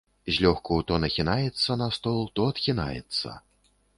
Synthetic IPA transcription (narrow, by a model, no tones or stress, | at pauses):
zʲlʲɔxkɐwt̪ɔnɐxʲinajɛt̪sːɐnɐst̪ɔlˠt̪ɔɐt̪xʲina̰jɛ̰t̪sːɐ̰